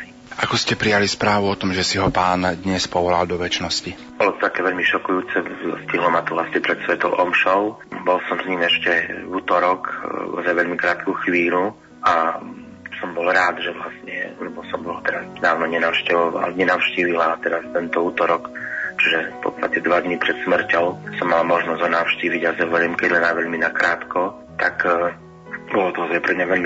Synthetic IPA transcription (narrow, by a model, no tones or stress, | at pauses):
i | ʔakɔscɛpɾijalispɾaːʋuɔt̪ɔmʒɛsiɦɔpaːnd̪ɲɛspɔʋɔlald̪ɔʋɛt͡ʃnɔsci | bɔlɔt̪ɔt̪akɛːʋɛʎmiʃɔkujuːt͡sɛsc̪iɦlɔmat̪ɔʋlasɲɛpɾɛt̪sʋɛt̪ɔʊʔɔmʃɔʊ | bɔlsɔmsɲiːmɛʃcɛvuːt̪ɔɾɔkɔ̰zajʋɛʎmikɾaːt̪kuːxʋiːlu | ʔa | sɔmbɔlɾaːd̪ʒɛʋlasɲɛ̰lɛbɔsɔmbɔlt̪ɛɾazd̪aːʋnɔɲɛnaʊʃcɛʋɔʋa̰lɲɛnaʊʃciːʋilat̪ɛɾast̪ɛnt̪ɔuːt̪ɔɾɔkt͡ʃiʒɛpɔ̰tt̪a̰t̪ɛd̪ʋad̪ɲipɾɛt̪smr̩cɔʊsɔmːalamɔʒnɔzɦɔnaʊʃciːʋiɟazɛʋɛʎɛmkɛɟlɛnajʋɛʎminakɾaːt̪kɔ | t̪ak | bɔlɔt̪ɔɦɔzaɛpɾɛmɲaʋɛʎmi